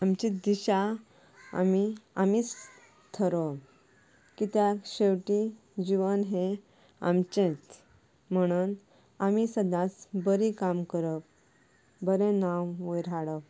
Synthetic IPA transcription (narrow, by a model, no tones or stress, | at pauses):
amt͡ɕid̪iɕa | a̰miamit͡s | t̪ʰəɾɔ | kit̪jaɕewʈi | d͡ʑiʋənɦe | a̰mt͡ɕẽt͡s | m̤əɽ̃un | amisəd̪ʱãt͡sbəɾikamkəɾəp̚ | bəɾẽnawʋəjɾaɽəp̚